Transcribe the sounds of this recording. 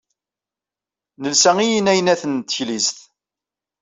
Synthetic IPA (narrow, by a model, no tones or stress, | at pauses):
nəlsæŋijənæjnæθənt̪ːçlisθ